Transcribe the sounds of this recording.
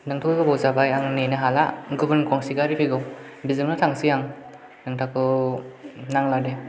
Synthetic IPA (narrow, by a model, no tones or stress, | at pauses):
nɯŋtʰɔbabɔwzabajaŋnenɯɦala̰ɡɯbɯnkʰɔŋsiɡaɾipʰeɡɯw | bizɯŋnɯtʰaŋsijaŋ | nɯŋtʰakʰɯ | naŋlade